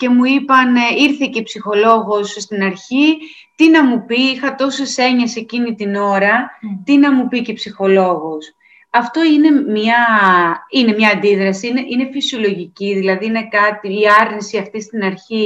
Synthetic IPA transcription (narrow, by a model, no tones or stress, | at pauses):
ce̞muipɐniɾθecepsixo̞lo̞ɣo̞sst̪inɐɾçi | t̪inɐmupiixɐt̪o̞sese̞ɲɐse̞cinit̪ino̞ɾɐt̪inɐmupicepsixo̞lo̞ɣos | ɐft̪o̞ine̞mɲɐ | ine̞mɲɐːnd̪iðɾɐsiineʔine̞fisio̞lo̞ʝiciðilɐðiine̞kɐt̪iːɐɾnisiɐft̪ist̪inɐɾçi